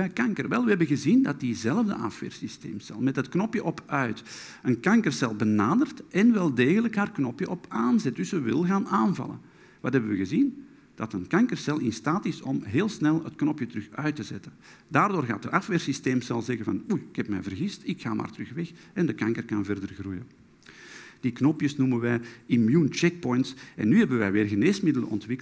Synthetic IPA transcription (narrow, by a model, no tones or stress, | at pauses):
bɛkɑŋkərʋɛlˠʋəɦɛbənɣəzindɑt̚dizɛləvdə̰ʔɑ̰fʋɪ̰ːrsistḛːmsɛ̰lˠmɛtɦətknɔpjəʔɔpʰœɥt | ənkɑŋkərsɛlˠbənaːdərtɛnʋɛlˠdeːɣələkɦaːrknɔpjəʔɔpaːnzɛt̚dʏsəʋɪlˠɣaːnaːnvɑ̰lˠə̰n | ʋɑtɦɛbəʋəɣəzin | d̥ɑtənkɑŋkərsɛlˠɪnstaːtɪsɔmɦeːlˠsnɛlˠətknɔpjətəɾʏxœɥtəzɛ̰tən | daːrdoːrɣa̰ːt̚dəʔɑfʋɪːrsisteːmsɛlˠsɛɣəvɑ̰nuɪkɦɛpmɛ̰jvərɣɪstɪkxaːmʔa̰ːrtəɾɵxʋɛxɛndəkɑŋkərkɑnvɛrdərɣrujə | d̥iknɔpjəsnumənʋɛjimjunt͡ʃɛk̚pɔjntsɛ̰nːyɦɛbəʋɛjʋeːrɣəneːsmɪdələ̰ʔɔ̰ntʋɪk